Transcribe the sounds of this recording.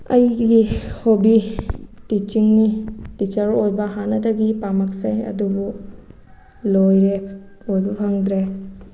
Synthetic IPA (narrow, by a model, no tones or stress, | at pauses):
ɐjɡihobitit͡ʃiŋnitit͡ʃaɾojbɐɦanɐdɐɡipamɐksajɐ̰dubu | lojɾe | ojbupʰaŋdɾe